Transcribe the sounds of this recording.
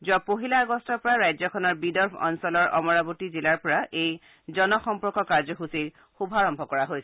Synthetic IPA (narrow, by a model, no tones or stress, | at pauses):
zuapoɦilaːɡɔstɔɹpɔɹaɹajzɔkʰɔnɔɹbidɔɹbʰʱɔ̰nsɔlɔɹʔɔ̰mɔɹabutizilaɹpɔɹaʔej | zɔnɔxɔmpɔɹkɔkaɹzɔɦusiɹ | xubʱaɹɔmbʱɔkɔɹaɦojsɛ